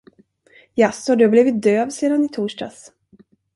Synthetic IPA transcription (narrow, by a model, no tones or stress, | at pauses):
jasːhaɖɵhabliːvɪt̪̚d̪øːvseːd̪anɪt̪ʰuːʂʈa̰s